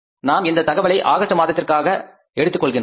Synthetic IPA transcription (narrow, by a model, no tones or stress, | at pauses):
naːmɪnd̪ɐt̪ɐɣɐʋɐɭɐɪʔaːɣɐʂʈːɐmaːðɐt̪ːɪrkaːɣɐ | ɛɽɯt̪ːɯkːɔɭɣɪn